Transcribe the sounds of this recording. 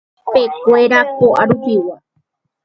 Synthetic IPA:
pekʷeɾakoʔaɾuhiwa

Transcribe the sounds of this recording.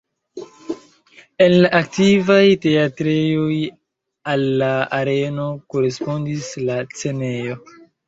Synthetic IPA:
e̞nlaʔak̚tivajte̞atɾejo̞j | alːaaɾe̞no̞ko̞ɾe̞spo̞ndislat͡se̞ne̞jo̞

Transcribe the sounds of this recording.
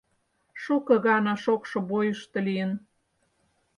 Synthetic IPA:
ʃukɤ̆ɣɑnɑʃokʃŏbojəʃt̪ɤ̆lijən

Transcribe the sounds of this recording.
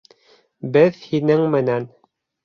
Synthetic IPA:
bɘðhinɘŋmɘ̆næn

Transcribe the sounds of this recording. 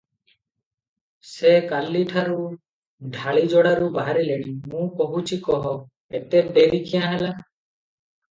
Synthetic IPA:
sekalːiʈʰaɾu | ɖʱaɭid͡ʒɔɽaɾubaɦaɾileɽ̃imũpɔɦut͡ʃʰikɔɦɔ | et̪edeɾikʰijãɦela

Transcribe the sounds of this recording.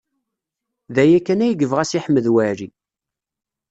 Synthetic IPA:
ðæjækːænæjəɡəvʁæsiħmːəðwæɾi

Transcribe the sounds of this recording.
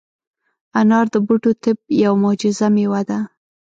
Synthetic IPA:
anɑɾd̪əbuʈot̪ɪb̚jawmʊd͡ʒɪzamewad̪a

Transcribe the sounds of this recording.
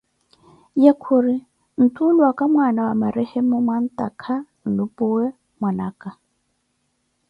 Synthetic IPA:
jakʰʊrɪ | n̩tʼulwakʼamwanawamaɾɪhemʊmwan̩tʼakʰan̩lʊpʼʊwɛ | mwanaːkʼa

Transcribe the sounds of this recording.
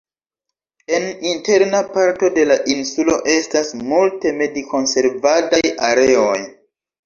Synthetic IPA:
e̞ninte̞ɾnapaɾto̞de̞laʔinsulo̞ʔe̞stasmulte̞me̞diko̞nse̞ɾvadajaɾe̞o̞j

